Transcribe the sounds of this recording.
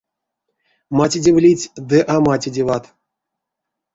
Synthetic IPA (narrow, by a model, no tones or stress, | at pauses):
matʲidʲivlʲitʲd̪ɨʔamatʲidʲivat̪